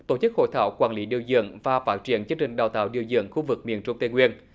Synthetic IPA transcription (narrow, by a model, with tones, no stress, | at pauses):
t̪o˧˩t͡ɕɨ˦˥k̚ho̰˧˨jt̪ʰaː˧˩wkwaː˧nli˨˦ɗi˨˩əwzɨ̰˧˨əŋvaː˨˩faː˦˥t̚t͡ɕi˧˩˨ənt͡ɕɨ˧əŋt͡ɕï˨˩ŋ̟ɗaː˨˩wt̪a̰ː˧˨wɗi˨˩əwzɨ̰˧˨əŋxu˧vɨ˨˩k̚mi˨˩ənt͡ɕʊ̰˧˩wŋ͡mt̪e˧ŋwi˧ən